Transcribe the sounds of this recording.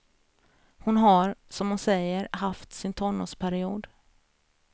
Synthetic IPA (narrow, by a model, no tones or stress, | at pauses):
hʊnɦaɾsɔmhʊnsɛjːəɾɦaft̪sɪnt̪ʰɔɳːʊ̰spʰæɾɪuːd̪